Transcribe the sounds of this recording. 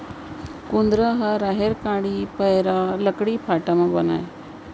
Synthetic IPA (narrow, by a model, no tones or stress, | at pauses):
kũnd̪ɾaɦaɾaːɦeɾkãːɽipəɾaːləkɽipʰaːʈamãbɐna̰ːe